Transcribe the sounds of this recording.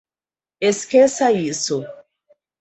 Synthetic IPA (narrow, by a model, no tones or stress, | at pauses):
eskesɐisʊ